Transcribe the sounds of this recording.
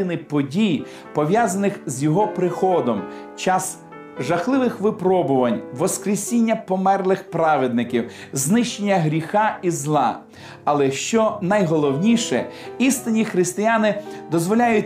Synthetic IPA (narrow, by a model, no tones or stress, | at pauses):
ɪnɪpɔdʲij | pɔʋʲjazɐnɪxzjɔɦɔpɾɪxɔd̪ɔm | t͡ʃɑs | ʒɐxlˠɪʋɪxʋɪpɾɔbʊʋɐnʲʋɔskɾʲesʲinʲːɐpɔmɛrlˠɪxpɾɑʋed̪̚nɪkʲiw | znɪʃt͡ʃenʲːɐɦɾʲixɑizlˠɑ | ɐlˠɛʃt͡ʃɔnɐjɦɔlˠɔwnʲiʃɛist̪ɪnʲixɾɪst̪ɪjanɪd̪ɔzʋɔlʲajʊt̚ʲ